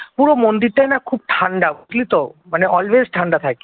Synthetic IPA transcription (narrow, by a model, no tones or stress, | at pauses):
puɾomond̪iɾt̪ajnakʰuːb̚ʈʰaɳɖabt̪lit̪omaneʔɔlʋezʈʰaɳɖat̪ʰajk